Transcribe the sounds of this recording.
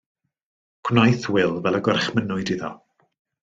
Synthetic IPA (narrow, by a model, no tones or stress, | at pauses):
kʰwnajθwɪlˠvɛlˠəɡɔrχmənʊɨdiðɔ̰